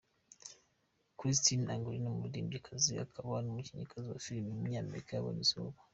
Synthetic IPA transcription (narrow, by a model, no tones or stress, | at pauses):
kɾis̬tinaŋɡuɾinomuβudiːmbikʰazia̰kʰaβanomuciɲikʰaziwa̰filimimuuɲaːmḛɾikajaβa̰nizoβa